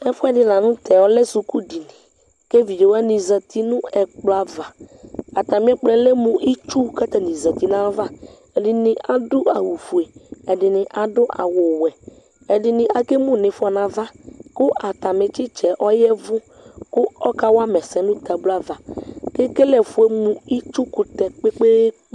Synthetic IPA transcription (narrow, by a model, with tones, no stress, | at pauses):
ɛ˦fʊ˦ɛ˦˨dɪ˨nã˨nʊ̃˦t̪ʰɛ˨ɔ˦lɛ˦su˨ku˦di˨nɪ̃˨ | ke˦vi˨d͡ʒe˨wa˦nĩ˨za˨t̪i˦nʊ̃˦ɛ˨k͡pla˦va˨a˨t̪a˨mɪ̃˦ɛ˦k͡plɛ˨lɛ˦mʊ̃˨ʔi˦t͡ʃu˦ka˦t̪a˨nĩ˨za˨t̪i˦nã˦va˦ | ɛ˨dɪ˨nɪ̃˨ʔa˨dʊ˦a˨wu˨fu˨e˨ɛ˨dɪ˨nɪ̃˨ʔa˨dʊ˦ʔa̰˨wʊ˨wɛ˨ | ɛ˨dɪ˨nɪ˨a˨ke˦mʊ̃˦˨nɪ̃˨fɔ˨nã˨va˦kʊ˦ʔa˨t̪a˨mɪ˨t͡ʃɪ˦t͡ʃɛ˨ʔɔ˦jɛ˦vʊ˦ | kʊ˦ɔ˦ka˦wa˦mɛ˨sɛ˨nʊ̃˦t̪a˨blʊ˦a˦va˨ke˦ke˦lɛ˨fu˨˦e˦mũ˨i˦t͡ʃu˦kʊ˨t̪ɛ˨k͡pe˦k͡pe˦